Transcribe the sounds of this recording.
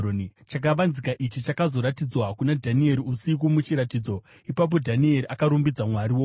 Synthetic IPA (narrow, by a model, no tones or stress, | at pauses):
t͡ʃak̬aʋanzikaʔit͡ʃit͡ʃakazo̞ɾatid͡zwakunadʱanie̞ɾiusik̬umut͡ʃiɾatiːd͡zo̞ | ipap̬o̞dʱanie̞ɾiʔakaɾumbid͡zamwaɾiwo